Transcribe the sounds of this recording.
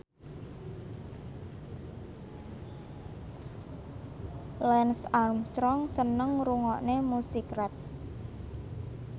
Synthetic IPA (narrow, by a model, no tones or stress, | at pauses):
lɛnsarmst̪ɾɔŋsənəŋruŋɔʔnemusikɾɛt̪̚